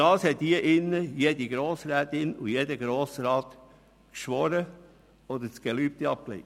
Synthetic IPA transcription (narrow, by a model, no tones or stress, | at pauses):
ɑːshɛtdiəʔɪnːəjeːdiɡɾoːsɾɛːt̪ɪnujedəɡɾoːsɾɑːt̪ | kʃʋɔɾə | ɔd̪ət͡sɡ̥ɛlyːp̚t̪iɑp̚klḛɪ